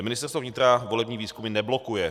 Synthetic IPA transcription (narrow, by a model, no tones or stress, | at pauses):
mɪnɪst̪ɛɾst̪vovɲɪt̪ɾavo̞lɛbɲiːviːskumɪnɛblo̞kujɛ